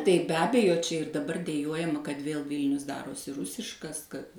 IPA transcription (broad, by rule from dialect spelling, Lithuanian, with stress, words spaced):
tɐɪ bʲɛ ˈɑːbʲɛjoː ˈt͡ʃʲɛ ɪr dɐˈbɐr dʲɛˈjuɔjɛmɐ kɐt ˈʋʲeːlˠ ˈʋʲiːlʲnʲʊs ˈdɑːroːsʲɪ ˈrʊsʲɪʃkɐs kɐt